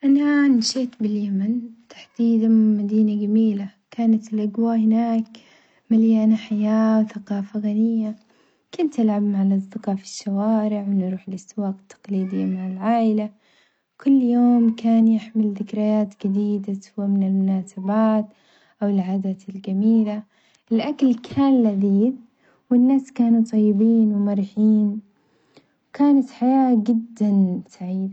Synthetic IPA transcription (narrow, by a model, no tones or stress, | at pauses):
ʔananʃeːt̪bɪljamɪnt̪ḁħd̪̥iːd̪anmad̪iːnaɡamiːlakaːnat̪ɪlʔaɡwahɪnaːk | maljaːnaħajaːwθaqɑːfaɣanɪjːa | kʊnt̪ːɪlʕabmaʕalʔɑzˤd̪ɪqɑːʕfi̥ʃːawaːɾɪʕwɪnɾuːħɪlʔast̪ɪwaːqt̪ʰːɑ̥qliːd̪ɪmaʕalʕaːʔɪla | kʊlːjoːmkʰaːnjɪħmɪlðɪkɾajaːt̪ɡad̪iːd̪ashʊwːamɪnɪlmʊnaːsabaːt̪ | ʔawɪlʕaːd̪aːt̪ɪlɡamiːla | ʔɪlʔakalkʰaːnlaðiːd̪̚ | wɪnːaːskaːnut̪ˤɑjːɪbiːnwɪmɑɾˤħiːn | wkaːnat̪ħajaːd͡ʒɪd̪ːansaʕiːd̪a